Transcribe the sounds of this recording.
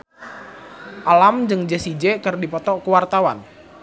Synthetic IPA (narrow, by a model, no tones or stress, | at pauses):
ʔalamd͡ʒɨŋd͡ʒɛsid͡ʒɛkɨrdipɔt̪ɔkəwart̪awan